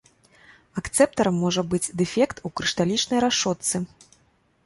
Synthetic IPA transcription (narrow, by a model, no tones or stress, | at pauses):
akt̪sɛp̚t̪ɐɾɐmːɔʐɐbɨd͡zʲd̪ɛfʲɛkt̪ukɾɨʂt̪alʲit͡ʂnɐjɾaʂɔt̪sɨ